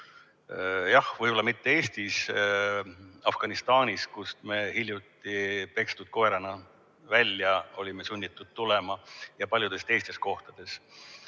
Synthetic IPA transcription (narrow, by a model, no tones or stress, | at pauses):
jɑhvɤjbo̞lːɑmit̪ːe̞e̞ːst̪is | ɑfɡ̥ɑnist̪ɑːnʲiskust̪me̞hilʲjut̪ːˑipe̞kst̪ud̪̥̚ko̞eɾɑnɑ | vælʲjɑo̞lʲimesunʲːit̪ːˑud̪̥̚t̪ulemɑjɑpɑlʲjud̪̥e̞st̪e̞jst̪e̞s̚ko̞ht̪ɑd̪̥e̞s